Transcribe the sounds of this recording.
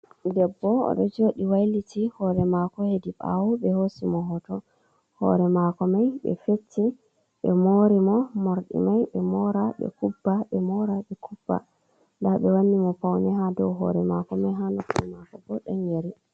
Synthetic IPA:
dɛbːɔ̰ːɗɔd͡ʒoɗiwajlitihɔɾɛmakɔhediɓa̰wɔɓɛhosimɔɦɔtɔ | hɔ̰ɾɛmakɔmajɓɛ̰fetʰːi | ɓɛmoɾimɔmoɾɗḭmajɓɛmɔɾaɓɛ̰kubːaɓɛmɔɾaɓɛkʰub̥ːa̰ | ndaɓɛwanːimɔpawnɛɦadɔwɦɔ̰ɾɛmakɔmajɦanɔkumakɔbɔɗɔnjeɾi

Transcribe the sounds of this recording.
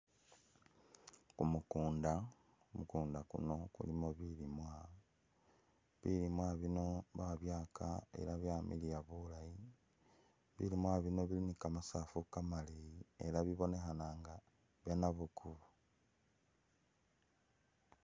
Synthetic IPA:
kumukuːnda | umukuːndakṵno̞kṵlimo̞βilimwa | βilimwaβino̞βaβjaːkʰa̰e̞̰ɾaβjamilijaβulaji | βḭlimwaβino̞βilinikamasafukamaliiḛlaβiβo̞ne̞xanaːŋɡa | βjanaβukʰuβu

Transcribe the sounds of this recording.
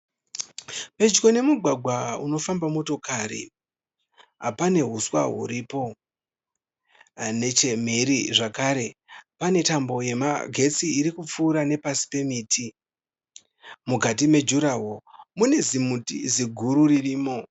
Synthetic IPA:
pe̞d͡ʒko̞ne̞muɡʱwaɡʱwauno̞fambamo̞to̞karḭ | ɦa̰pane̞ɦuswa̰ɦṵɾipo̞ | ne̞t͡ʃe̞m̤e̞ɾiʐakaɾe̞pane̞tambo̞je̞ma̰ɡʱe̞t͡siːɾikup͡fuːɾane̞pasi̥pe̞miːtʰi | muɡʱat̬ime̞d͡ʒuɾawo̞mune̞zimutḭziɡʱuɾuririːmo̞

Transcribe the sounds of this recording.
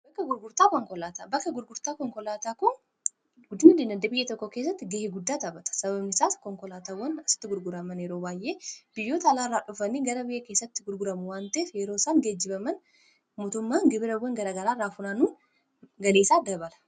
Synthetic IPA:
bɐkːɐɡʊɾɡʊɾt̪aːkɔŋkɔlaːt̪abɐkːɐɡʊɾɡʊɾt̪aːkɔŋkɔlaːt̪aːkʊn | ɡʊd̪nɪleːnɐd̪ːɐbɪjːet̪ɔkːɔkeːsːɐt̪ːɪɡeːhɪɡʊd̪ːaːt̪ɐbɐt̪ɐ̥sɐbɐbnɪsaːskɔŋkɔlaːt̪aːwːɐnɐsɪ̥t̪ːɪɡʊɾɡʊɾɐmɐnjɛɾoːbaːjʔe̞ːb̥ɪjːoːt̪ɐlaːɪrːaːᶑʊfɐnːiːɡɐɾɐbɪjːɐke̞ːsːɐt̪ːɪ̥ɡʊɾɡʊɾɐmʊwaːnt̪ɐeːfjɛɾo̞ːsaːŋɡed͡ʒːɪbɐmɐn | moːt̪ʊmːaːŋɡɪbɪɾɐwːɐŋɡɐɾaːɡɐɾaːrːaːfʊnaːnuːn | ɡɐleːsaːd̪ɐbɐlɐ̥

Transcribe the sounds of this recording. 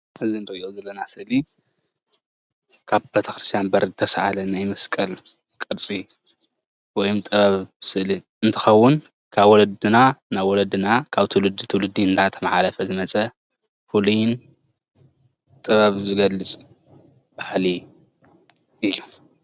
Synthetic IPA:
ʔɨzinɨɾɨʔiʔozɐlːɐnasɨʔli | kʰaβbet̪ʰɐ̥xɾɨst̪ʰjanbɐɾzɨt̪ʰɐsaʔalɐnajmɐskʼɐl | kʼɨɾt͡sʼi | wɔjɔmt̪ʼɨβaβsɨʔli | ɨnt̪ʰɐ̥xɐwːʊn | kʰaβwɔlɐd̪ɨnanajwɔlɐd̪ɨnakʰaβt̪ʰɨwlɨd̪it̪ʰɨwlɨd̪ːiɨnd̪at̪ʰɐmaʕalɐfɐzɨmɐt͡sʼɐ | fulujɪn | t̪ʼɨβaβzɨɡɐlːɨt͡sʼ | b̥ahli | ɨjːu

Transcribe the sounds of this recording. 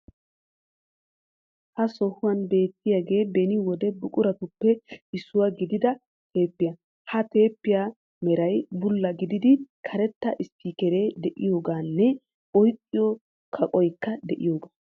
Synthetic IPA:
hɐsɔhʊwɐnbe̞ːt̪ːɪjaɡe̞ːbɛnɪwɔd̪ɛbʊkʼʊɾɐt̪ʊpːɛɪsːʊwaɡɪd̪ɪd̪ɐ | t̪e̞ːpːɪja | hɐt̪e̞ːpːɪja | mɛɾɐjbʊlːɐɡɪd̪ɪd̪ɪkʰɐɾɛt̪ːɐʔɪsːiːkɛɾe̞ːd̪ɛʔɪjo̞ːɡaːnːɛ | ɔjkʼːɪjɔ | kʰɐkʼɔjkːɐd̪ɛʔɪ̰jo̞ːɡaː

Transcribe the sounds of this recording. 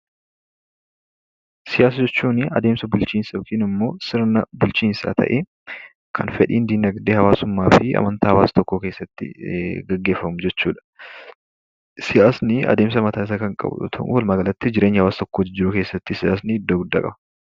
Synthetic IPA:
sɪjaːs̬ɐd͡ʒɛt͡ʃːuːnɪɐ̰d̪e̞ːmsɐbʊlt͡ʃiːnsɐkɪnɪmːo̞ːsɪɾnɐbʊlt͡ʃiːnsa̰ːt̪ʰɐ̰ʔeː | kʰɐnfɛᶑiːnd̪iːnɐɡd̪eːhɐwaːsʊmːaːfɪɐ̰mɐnt̪aːhɐwaːst̪ɔkːoːke̞ːsːɐt̪ːɪ̰ɡɐɡːe̞ːfːɐmʊd͡ʒɛt͡ʃːuːᶑɐ̥ | sɪjaːsnɪɐ̰d̪e̞ːms̬ɐmɐt̪aːɪs̬ɐkɐŋkʼɐ̰bʊ̰t̪ʰɐ̰ʔʊ̰wɐlmɐɡɐlɐt̪ːɪd͡ʒɪɾeːɲːɪhɐwaːst̪ɔkːoːd͡ʒɪɾʊke̞ːsːɐt̪ːɪsɪjaːs̬nɪɪd̪ːoɡʊd̪ːa̰ːkʼɐ̰bɐ

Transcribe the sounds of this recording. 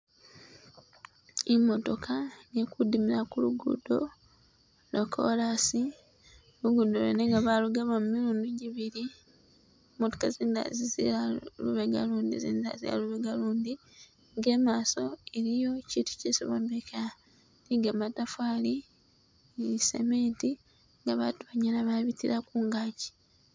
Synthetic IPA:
imo̞to̞kʰanekudimiɾakuluɡṵdo̞ | lokʰo̰lasi | luɡudolwḛneŋɡaβaluɡaβamumiɾuːnduɟiβiɾi | moto̥kaziːnda̰zizḭalṵβeɡa̰luːndḭzḭːnda̰zḭa̰luβeɡaluːndi | ŋɡe̞ːmaːso̞eɾijo̞ciːtu̥ceso̰βombekʰa | niɡamatafwaːli | sḛmeːnti | ŋɡaβatuβaɲanaβaβitiɾakuŋɡaːci̥

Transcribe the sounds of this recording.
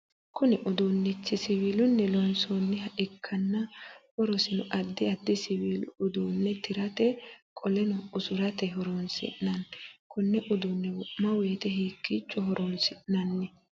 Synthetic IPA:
kʊnɪʔɔd̪onːɛt͡sːɪsɪβiːlʊnːɛlɔnsoːnːɛhɐʔɪkʰːɐnːɐhɔɾɔsɪnʊʔɐd̪ːɪɐd̪ːɪsɪwiːlʊʔʊd̪uːnːɛt̪ɪɾɐt̪ɛkʼɔlɛnʊʊsʊɾɐt̪ɛɦɔɾoːnsɪ̰ʔːɐnkʰʊnːɛʔʊd̪ʊnːɛwʊmɐwɛːt̪ɛɦiːkːit͡ʃːɔɦɔɾʔoːnsɪʔnɐnːɛ

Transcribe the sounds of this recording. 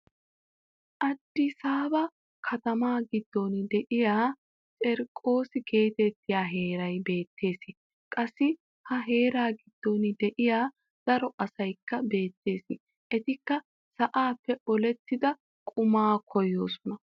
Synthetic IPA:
ʔɐd̪ːɪsaːbɐ | kʰɐt̪ɐmaːɡɪd̪ːond̪ɛʔɪjaː | t͡sʼɛɾkʼːo̞ːsɪke̞ːt̪ɛt̪ːɪjaːɦe̞ːɾɐjbe̞ːt̪ʰːe̞ːsɪ | kʼɐsːɪ | hɐɦe̞ːɾaːɡɪd̪̥ːond̪ɛʔɪjaː | d̪̥ɐɾɔʔɐsɐjkːɐbe̞ːt̪ːe̞ːsɪ | ʔɛt̪ɪkːɐ | sɐʔaːpːɛɔlɛt̪ːɪd̪ɐ | kʼʊmaːkʰɔjːo̞ːsɔnɐ

